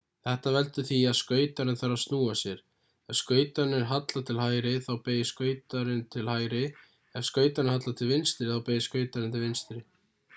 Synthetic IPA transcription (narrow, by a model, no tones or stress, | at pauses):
θɛht̪avɛlt̪ʏθiaðskœːɥt̪aɾɪnθaɾast̪nuːasjɛɾ̥ | ɛ̥skœːɥt̪anɪɾ̥ɦat̪lat̪ʰɪlɦaːjɾɪθawpeːjɪskœːɥt̪aɾɪnt̪ʰɪlhaːjɾɪ | ɛvskœːɥt̪aɾɪnɦat̪lat̪ʰɪlvɪnst̪ɾɪθawpeːjɪskœːɥt̪aɾɪnt̪ʰɪlvɪnst̪ɾɪ